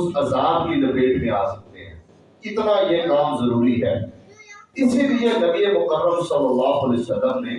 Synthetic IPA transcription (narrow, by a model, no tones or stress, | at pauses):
ʊsɐzaːd̚kilɐpeːdmẽaːsɐk̚t̪eɦɛ̰̃ː | ɪt̪naːjekaːmzəɾuːɾiɦɛ̰ː | ɪsilienəbiemʊkərːəmsɐlːəlːaːɦəleːsəlːəmnẽː